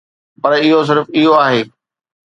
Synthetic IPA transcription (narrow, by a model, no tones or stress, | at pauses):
pɐɾɪɦos̬ɪɾfɪɦoaːɦeː